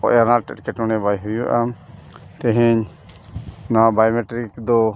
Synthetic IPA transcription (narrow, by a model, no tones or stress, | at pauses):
ɔ̰ʔjanaʈɛ̰ʈkɛʈɔnɛbajɦujuʔam | t̪ɛ̃ɦɛ̃ɲ | nabajmeʈɾikd̪ɔ